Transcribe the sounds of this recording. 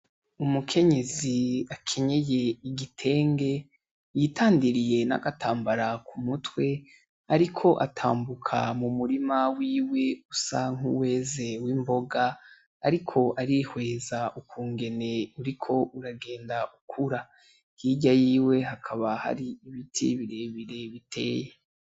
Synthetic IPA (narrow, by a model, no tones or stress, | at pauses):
umukʰe̞ɲe̞ziakʰeɲeje̞iɡitʰe̞ːŋɡe̞ | jitʰaːndiɾije̞na̰ɡatʰaːmbaɾakumutwe̞ | aɾikʰo̞ʔa̰tʰa̰ːmbukʰamumuɾimawiːwe̞usaŋ̥ṵwe̞ːze̞wiːmbo̞ɡaː | ɾikʰo̞ʔaɾihwe̞ːzaʔukʰuːŋɡe̞ne̞uɾikʰo̞ʔuɾaɡe̞ːndaʔukʰuɾa | jiːɟajiːwe̞ɦakʰaβaha̰ɾiiβitʰḭβiɾe̞βiɾe̞βitʰe̞ːje